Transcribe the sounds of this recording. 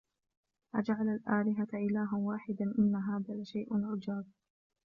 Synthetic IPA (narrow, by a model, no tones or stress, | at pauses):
ʔad͡ʒaʕalalʔaːlɪɦat̪ʔɪlaːɦawaːħɪd̪anʔɪnːaɦaːðalaʃajʔnʕʊd͡ʒaːb̚